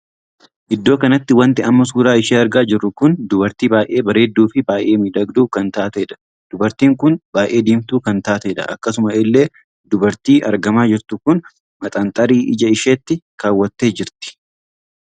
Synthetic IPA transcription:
ʔɪd̪ːo̞ːkɐnɐt̪ːɪwɐnt̪ɪɐmːɐs̬uːɾaːɪʃeːɐɾɡaːd͡ʒɪrːʊkʊnd̪ʊbɐɾt̪iːbaːjʔe̞ːbɐɾe̞ːd̪ːuːfɪbaːjʔe̞ːmɪd̪ɐɡd̪uːkɐnt̪aːt̪ɐɛᶑɐ̥ | d̪̥ʊbɐɾt̪iːŋkʊnbaːjʔe̞ːd̪iːmt̪uːkɐnt̪aːt̪ɐᶑɐ̰ʔɐ̰kːɐsʊmɐɪlːe̞ː | d̪ʊbɐɾt̪iːʔɐɾɡɐmaːd͡ʒɪɾt̪ʊkʊn | mɐt̪ʼant̪ʼɐɾiːʔɪd͡ʒɐɪʃeːt̪ːɪkaːwːɐt̪ːe̞ːd͡ʒɪɾt̪ɪ̥

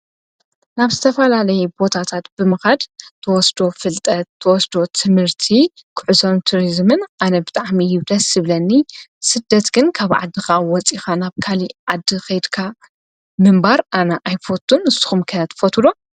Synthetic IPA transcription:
naβzɨt̪ʰɐfɐlalɐjɛbo̞t̪ʰat̪ʰat̪bɨmɨxad̪t̪ʰɐwɔsd̪o̞fɨlt̪ʼɐt̪ʰːɐwɔsd̪o̞t̪ʰɨmhɨɾt̪ʰikʰɨʕuzo̞mt̪ʰuɾizmɨnʔanɐbɨt̪ʼaʕmijɪd̪ɐsɨβlɐnːisɨd̪ːɐt̪ɡɨnkʰaβʕa̰d̪ːixawɔt͡sʼixanaβkʰaliʕad̪ːixɐjd̪kʰa | mɨmbaɾʔanɐʔajfot̪ʰːunɨsːu̥xumkʰɐt̪ʰfot̪ʰulo

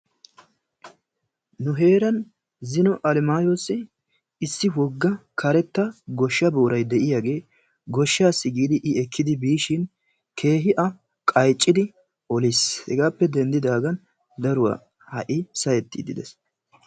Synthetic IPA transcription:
nʊɦe̞ːɾɐn | zɪnɔʔɐlɪmaːjosːɪ | ɪsːɪwɔɡːɐkʰɐɾɛt̪ːɐɡɔʃːɐboːɾɐjd̪ɛʔɪjaːɡe̞ː | ɡɔʃːaːsːɪɡiːd̪ɪʔɪɛkʰːɪd̪ɪbiːʃɪn | kʰe̞ːɦɪʔɐ | kʼɐjt͡ʃʼːɪd̪ɪ | ɔlishɛ̰ɡaːpːɛd̪ɛnd̪ɪd̪aːɡɐn | d̪ɐɾʊwa̰ː | hɐʔɪsɐjɛt̪ːɪ̰d̪ɪd̪ɛs

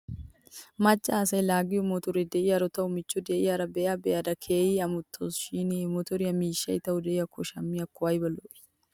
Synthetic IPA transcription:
mɐt͡ʃʼːaːsɐjlaːɡɪjʊmɔt̪ɔɾɪd̪eːʔɪjɐɾɔt̪ɐʊmɪt͡ʃːud̪eːʔɪjɐɾɐbɛːɐbɛɐd̪ɐkʰeːjiɐmʊt̪ʰːosʃinemɔt̪ɔɾɪɐmiːʃːɐɪt̪ɐʔʊd̪eːjɐkʰːʊʃɐmːiɐkːʊwajɪbɐloʔɪ̥

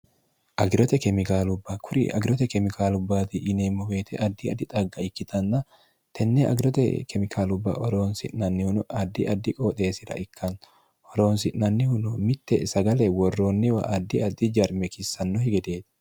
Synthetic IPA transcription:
ʔɐɡɾɔt̪ɛkɛmɪkaːlʊbːɐkʰʊɾɪ̰ʔɐ̰ɡɪɾɔt̪ɛkɛmɪkaːlʊbːaːt̪ɪʔːneːmːɔweːt̪ʰɛ̰ʔɐd̪ːɪɐd̪ːɪt̪ʼɐɡːɐɪkːɪt̪ʰɐnːɐ | t̪ʰɛnːɛʔɐ̰ɡɾɔt̪ɛ̰kʰɛmɪkʰaːlʊbːa̰ʔɔɾoːnsɪ̰ʔnɐnːɪhʊnɐd̪ːɪʔɐd̪ːɪkʼoːt̪ʼe̞ːsɪɾɐ̰ʔɪkʰːɐn | ɔɾoːnsɪʔnɐnːɪhʊnʊmɪt̪ːɛ̰sɐɡɐlɛwɔrːo̞ːnːɪwɐ̰ʔɐd̪ːɪɐd̪ːɪd͡ʒɐɾmɛkɪsːɐnːɔhɪɡɛd̪eːt̪ɪ̥

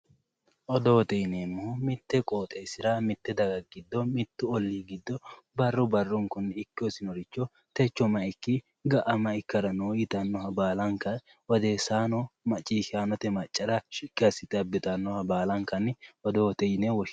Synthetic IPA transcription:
ʔɔd̪ɔwɔt̪ɛjɪneːmːoːmɪt̪ːɛkʼoːt̪ʼɛsɪɾɐmɪt̪ːɛd̪ɐɡɐɡɪd̪ːɔmɪt̪ːʊɔlːiːɡɪd̪ːɔ | bɐrːʊbɐrːʊŋkʊnːɪkːɪɔsɪnɔɾɪt͡ʃːɔ | t̪ɛt͡ʃːɔmɐɪkːi | ɡɐʔɐmɐɪkːɐɾɐnoːjɪt̪ɐnːɔhɐbaːlɐŋkɐ | wɔd̪eːsaːnɔmɐt͡ʃʼːiːʃɪaːnɔt̪ɛmɐt͡ʃʼːɐɾɐʃɪɡɐsɪt̪ɐbːɪt̪ɐnːɔhɐbaːlɐŋkɐnɔd̪ɔɔt̪ɛjnewɔʃ

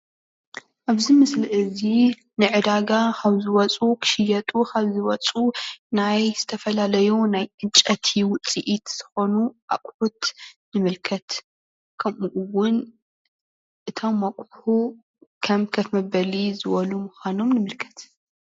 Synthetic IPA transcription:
ʔaβzimɨsliʔɨzi | nɨʕɨd̪aɡakʰɐβzɨwɐt͡sʼukʰɨ̥ʃɪjɐt̪ʼukʰɐβzɨwɐt͡sʼunajz̥ɨt̪ʰɐfɐlalɐjunajʔɨnt͡ʃʼɐt̪ʰiwʊt͡sʼiʔit̪z̥ɨxo̞nuʔa̰kʼħut̪nɨmɨlkʰɐt̪ | kʰɐmuʔuwʊn | ʔɨt̪ʰo̞mːɐkʼħu | kʰɐmkʰɐfmɐbɐlizɨwɐlumuxʷanomnɨmɨlkʰɐ̥t̪

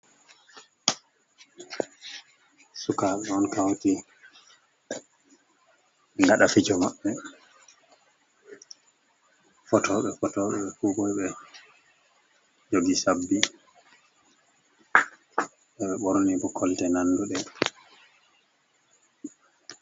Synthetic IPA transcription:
sukaɓɛɔnkawti | ŋɡaɗafid͡ʒɔmaɓːɛ | fɔtʰɔɓɛfɔtɔɓɛɛfuɡɔjɓɛ | d͡ʒoɡisabːi | ɓɛɓɛɓɔɾonibɔkʰːɔltɛnanːduɗɛ

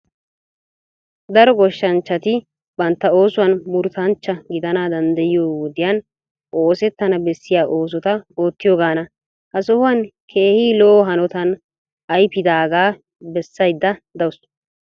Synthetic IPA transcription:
d̪ɐɾɔɡɔʃːɐnt͡ʃːɐt̪ɪ | bɐnt̪ːɐo̞ːsʊwɐnmʊɾt̪ɐnt͡ʃːɐɡɪd̪ɐnaːd̪ɐnd̪ɐjɪjoːwɔd̪ɪjɐn | ʔo̞ːsɛt̪ːɐnɐbɛsːɪjaːʔoːs̬ɔt̪ɐo̞ːt̪ːɪjoːɡaːnɐ | hɐsɔhʊwɐnkʰe̞ːhiːloːɦɐnɔt̪ɐn | ʔɐjpɪd̪aːɡaː | bɛsːɐjd̪ːɐd̪ɐwʊs

